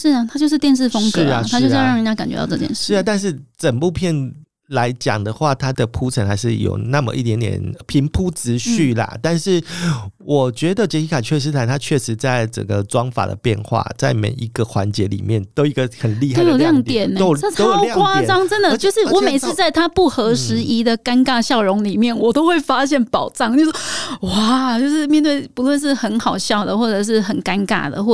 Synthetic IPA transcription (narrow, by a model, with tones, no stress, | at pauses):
ʂɻ̩˥˩˨t̪ʰa˥t͡ɕjʂɻ̩˥˧t̪jɛ˥˧nʂ̬ɻ̩˥˩fo˥ŋʂ̩˥˧˩t̪ʰa˥t͡ɕo˥˧ʊʂɑ˥˨ŋi˥t͡ɕja˥ka˨˩nt͡ɕɥɛ̰˧˦t̪ɑ̰˥˧˩t͡sɤ˥˧t͡ɕjɛ̰˥˧nʂ̩ʂɻ̩˥˩a˨˩t̪a˥˧nʂ̬ɻ̩˥˩t͡sə˨˩pu˥˧pʰjɛ˥˩n | la˧˥ɪt͡ɕjɑ̰˨˩ŋd̪ə˦xwa˥˩t̪ʰa˥d̪ə˨pʰu˥ʈ͡ʂʰə˧˥ŋxa˧ɪʂ̬ɻ̩˥˩jo̰˨˩ʊna˥˩mə̰˨ʔi˥˩t̪jɛ˧˥nt̪jɛ̰˨˩npʰi˧˥ŋpʰu˥t͡sɹ̩˧˦ɕy˥˩lə̰˩t̪a˥˧nʂɻ̩˥˩wʔɔ˨˩t͡ɕɥɛ˧˥d̪ə˨t͡ɕjɛ˧˥t͡ɕʰi˧˥kʰa˨˩t͡ɕʰɥɛ˥˩ʂ̬ɻ̩˥t̪ʰa˧˥ɪt̪ʰa˥t͡ɕʰɥɛ˥˩ʂɻ̩˧˥t͡sa˥˩ɪʈ͡ʂə̰˨˩ŋɡə˩ʈ͡ʂwɑ˦˥ŋfa̰˨˩d̪ə̰˦pjɛ˥˧nxwa̰˥˩t͡sa˥˩ɪmḛ˨˩ɪʔi˧˥ɡə˨xwa̰˧˦nt͡ɕjɛ˧˦lḭ˨˩mjɛ˥˨nt̪o˥ʊi˧˥ɡə˧xə˨˩nli˥˧hao˥jo˨˩ʊljɑ˥˧ŋt̪jɛ˨˩n˦a˥tɑ˥ʊkwa˥˨ɑ˥ŋʈ͡ʂə˦˥nd̪ə˨t͡ɕjo˥˧ʂɻ̩˥˩wɔ˧˦me˨˩ɪt͡sɹ̩˥˧t͡sa˥˩ɪt̪ʰa˥pu˥˩xɤ˧˥ʂɻ̩˧˥i˧˥d̪ə˨ka˥nka˥˧ɕjɑ˥˩ʊɻʊ˧˥ŋli˨˩mjɛ˥˩nwɔ˨˩t̪o˥ʊxwe˥˩ɪfa˦˥ɕjɛ˥˩npɑ˨˩ʊʈ͡ʂɑ˥˨ŋt͡ɕo˥˧ʊʂɔ˥wa˥˨˥t͡ɕjo˥˧ʊʂɻ̩˥˧mjɛ˥˧nt̪we˥˩ɪpu˧˦lwə˥˧nʂ̬ɻ̩˥˩xə˧˦˥nxɑ˨˩ʊɕjɑ˥˨˩ʊd̪ə˩xwɔ˥˩ʈ͡ʂə˨˩ʂ̬ɻ̩˥˩xə˨˩nka˦˥nka̰˨˩d̪ə̰˩xwɔ˥˩